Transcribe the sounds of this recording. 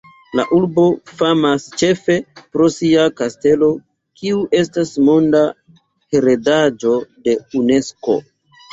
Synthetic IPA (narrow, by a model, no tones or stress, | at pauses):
la̰ʔuɾbo̞famast͡ʃe̞fe̞pɾo̞siakaste̞lo̞ | kʰiuʔe̞stasmo̞nda | heɾe̞dad͡ʒo̞de̞une̞sko̞̰